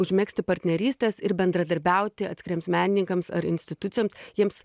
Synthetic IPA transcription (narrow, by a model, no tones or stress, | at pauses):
ʊʒʲmʲæːksʲt̪ʲɪpɐɾʲt̪ʲnʲɛɾʲiːsʲt̪ʲɛːsɪɾbʲɛnd̪ɾɐd̪ɐɾʲbʲɛˑʊt̪ʲɪɐ̰t̪skɪɾʲiɛmsmʲæːnʲɪnʲɪŋkɐmsɐ̰ɾɪ̰nʲsʲt̪ʲɪt̪ʊt̪ʲɪjoːmsjiɛms